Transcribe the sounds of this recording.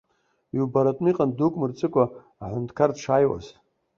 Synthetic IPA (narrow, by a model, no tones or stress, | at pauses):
iwbaɾatʼniqʼandukʷʼmɨrt͡sʼɨkʷʼaː | ħʷʊntkʰardʂajwa̰z